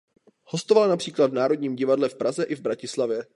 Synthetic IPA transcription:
ho̞st̪ovalnapr̥iːkladvnaːɾo̞dɲiːmɟɪvadlɛfpɾazɛʔɪvbɾacɪslavjɛ

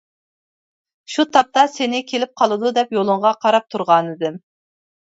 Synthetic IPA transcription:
ʃut̪ʰɑp̚t̪ɑsenɪkʲʰelɪp̚qʰɑlˠɨd̪ud̪ɛpjolˠʊɴʁɑqʰɑɾɑp̚t̪ʰuɾʁɑnɨd̪ɨm

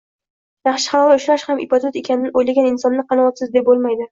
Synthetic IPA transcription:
jaχʃɪ̥χanɒlaʊʃɾaʃhamɪpot̪ʰot̪e̞kʲanɪd̪ʔojlaɡʲanɪnsɒnːɪqɑnaɒt̪sɪzd̪e̞p̚bolˠmajd̪ɪ

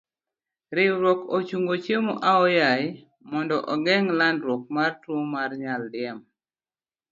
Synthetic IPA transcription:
ɾɪɾwɔkot͡ʃuŋɡot͡ʃemoʔaɔjaj | mɔndɔʔɔɡɛŋlandɾwɔk̚martwomarɲaldɪɛm

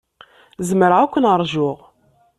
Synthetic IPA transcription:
zəməɾʕækʷːənəɾˤʒʊʁ

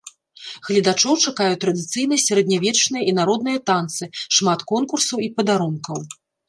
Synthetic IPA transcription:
ɣlʲid̪at͡ʂɔwt͡ʂakajut̪ːɾɐd̪ɨt̪sɨjnɐsʲaɾɛd̪ʲnʲavʲɛt͡ʂnɨjɐinaɾɔd̪nɨjɐt̪ant̪sɨʂmat̪kɔnkursɐwipɐd̪aɾunkɐw

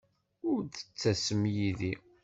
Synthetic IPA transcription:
ʊɾðə̥t͡sːæsəmjiði

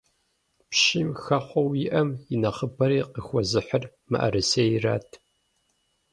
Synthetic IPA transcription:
pʃimxɐχʷɔwjɪʔɐmɪnɐχəbɐɾiːqəxʷɔzɨħər | mɨ̰ʔɐ̰ɾɨseːjɪra̰ːtʰ

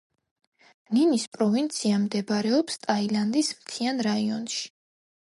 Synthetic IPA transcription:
ninispʼɾɔvint̪sʰiamd̪ɛbɾɛɔpst̪ʼailand̪ismt̪ʰianɾaiɔnʃi̥

